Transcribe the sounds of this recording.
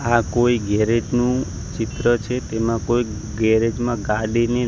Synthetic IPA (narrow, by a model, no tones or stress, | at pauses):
akoiɡɛɾed͡ʒnũ | t͡ʃɪt̪ɾət͡ʃʰet̪emãkoi | ɡɛɾed͡ʒmãɡaɽine